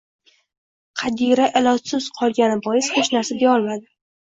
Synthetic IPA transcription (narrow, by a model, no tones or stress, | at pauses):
qʰɑd̪iɾaʔɪlˠɒt̪sɪz̥qʰɒlˠɡʲanɪbɒjɪshot͡ʃnaɾsad̪evɒlˠmad̪ɪ